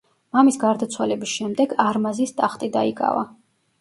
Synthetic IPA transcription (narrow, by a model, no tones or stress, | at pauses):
mamisɡaɾd̪at̪sʰwalɛbisʃɛmd̪ɛɡaɾmazist̪ʼaχt̪ʼid̪a̰ikʼa̰va̰